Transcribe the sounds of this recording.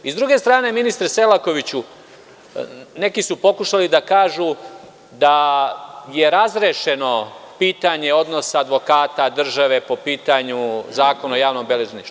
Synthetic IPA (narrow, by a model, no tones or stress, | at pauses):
izd̪ɾuɡe̞st̪ɾaːne̞minist̪ɾese̞lako̞ʋit͡ɕu | ne̞kisupo̞kuʃalid̪akaːʒu | d̪a | je̞ɾazɾeʃe̞no̞piːt̪aɲe̞o̞d̪no̞saːd̪ʋo̞kaːt̪ad̪r̩ʒaʋe̞po̞piːt̪aɲuzaːko̞naojaːʋno̞mbeleʒeniʃt̪u